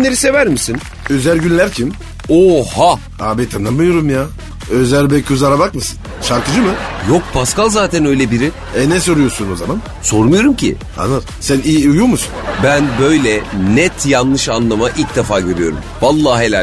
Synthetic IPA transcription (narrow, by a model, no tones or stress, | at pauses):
nlʲːeɾise̞væɾmisin | ø̞zælʲɟynlʲæɾcʰim | oha | a̰ːbɛt̪ʰanamːɯjoɾumjaː | øzælʲbɛcʰuzaɾabakmɯsɯ̥n | ʃaɾkɯd͡ʒɯmɯjo̞k̚pʰaskalˠzaːt̪ʰænø̞jlʲɛbiɾi | ɛnɛs̬o̞ɾujo̞ɾsuno̞zaman | so̞ɾmɯjo̞ɾumcʰɪ̰ | ha̰nɯɾ | sæniːujumusunbænbø̞jlʲɛnɛt̪ʰjanlˠɯʃanlˠamaʔilʲc̚d̪efaːɟøɾyjo̞ɾṵmvalˠːaːɦelʲa